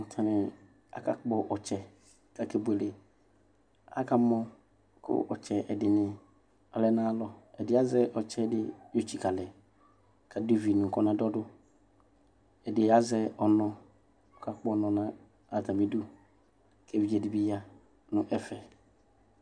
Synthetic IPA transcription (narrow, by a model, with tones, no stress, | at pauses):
n̩˨tʰa˨nɪ̃˨ | a̰˨ka̰˨˦k͡pɔ˦ʔɔ˨t͡ʃɛ˨ | ka˨ke˨bʊ˨e˨le˨ | a̰˦ka˦mɔ̃˦ | kʰʊ̰˦ʔɔ˨t͡ʃʰɛ˨ʔɛ˨dɪ˨nɪ̃˨ | ɔ˨lɛ˦nãː˦lɔ˨ɛ˨dɪ˨˦a˦zɛ˦ʔɔ˨t͡ʃʰɛ˦dɪ˦jo˦t͡ʃi˨ka˨lɛ˨ | kʰa˨do˦vi˨nʊ̃˨kɔ˦nã˨dɔ˦dʊ˦ | ɛ˨dɪ˨a˦zɛ˦ɔ˨nɔ̃˨ | ɔ˨ka˨k͡pɔ˦˨nɔ̃˨nã˦ | a˨tã˨mĩ˨˦du˦ | kʰɛ˦˨vi˨d͡ʒɛ˨dɪ˨bɪ˦ja˦ | nʊ̃˦ʔɛ˦fɛ˨